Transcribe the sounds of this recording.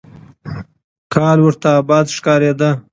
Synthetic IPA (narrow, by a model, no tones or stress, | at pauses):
kɑlwʊɾt̪aːbɑd̪ʂkɑɾed̪ə